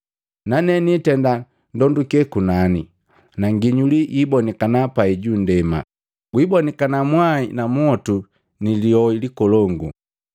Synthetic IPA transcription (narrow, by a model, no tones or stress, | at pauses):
nanɛnitɛnda | ndɔndukɛkunani | naŋɡiɲulijibɔnikanapaiɟundɛma̰ | ɡwibɔnikanamwainamɔtu | niliɔilikɔlɔŋɡu